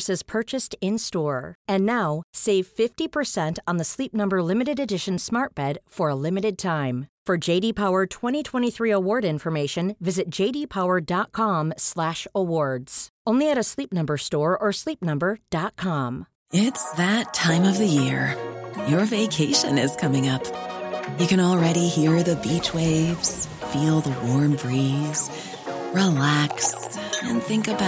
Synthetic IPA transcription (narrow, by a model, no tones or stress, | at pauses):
sɨz̥pʰɜ˞t͡ʃɨstɪ̃nstɔɹɨ̃nːaʊseɪv̥fɪftipʰə˞sɛ̃ntn̩ðəslip̚nʌ̃mbə˞lɪ̃mɨɾɨɾɨdɪʃɨ̃n̩smɑɹt̚b̥ɛd̥fə˞əlɪ̃mɨɾɨd̚tʰãɪ̃mfə˞d͡ʒeɪɾipʰaʊə˞tʰw̥ɛ̃ɾ̃itʰw̥ɛ̃ɾ̃iθɹiəwɔɹɾɪ̃ɱfə˞meɪʃɨ̃nvɪzɨt̚d̥ʒ̥eɪɾipʰaʊə˞dɑt̚kʰɑ̃mslæʃəwɔɹdz̥ʔõʊ̃nliɨɾɨslip̚nʌ̃mbə˞stɔɹʔə˞slip̚nʌ̃mbə˞d̥ɑt̚kʰɑ̃m | ɪtsðɨtʰãɪ̃mʌvðɨjɪɹjə˞veɪkʰeɪʃɨ̰̃nɪz̥kʰʌmɪ̃ŋʌpjɨkɨ̃nl̩ˠɹɛɾihiɹðɨbit͡ʃweɪvz̥ | filˠðəwɔɹmbɹiz̥ | ɹilæks | ɨ̃nθɪ̃ŋkɨb